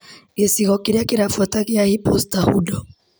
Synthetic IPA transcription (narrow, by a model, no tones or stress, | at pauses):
esiɣɔkiɾakiɾafwatakijahipɔstahṵdɔ